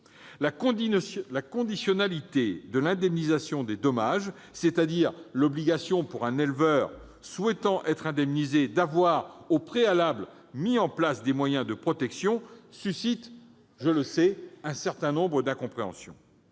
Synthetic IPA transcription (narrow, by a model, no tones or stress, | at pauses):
la | lakɔ̃d̪isjɔnalit̪ed̪əlɛ̃d̪ɛmnizasjɔ̃d̪ed̪ɔmaʒ | set̪ad̪iʁlɔbliɡasjɔ̃puʁɛ̃nɛlvœːʁ | swɛt̪ɑ̃ʔɛt̪χɛ̃d̪ɛmnized̪avwaʁopχealabl | miɑ̃plasd̪emwajɛ̃d̪əpχɔt̪ɛksjɔ̃sysit̪ | ʒələsɛɛ̃sɛʁt̪ɛ̃nɔ̃bʁəd̪ɛ̃kɔ̃pχeɑ̰̃sjɔ̃